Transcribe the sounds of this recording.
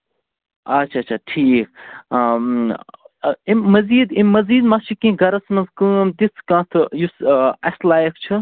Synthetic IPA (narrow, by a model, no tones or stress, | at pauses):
ɐt͡ʃʰaːt͡ʃʰaːʈʰiːk | imɐziːd̪ĩːɐziːd̪mat͡ʃʰikĩɡɐɾɐsmɐnzkɨmt̪iskãːt̪ʰɨjusɐslaːjɐkt͡ʃʰɨ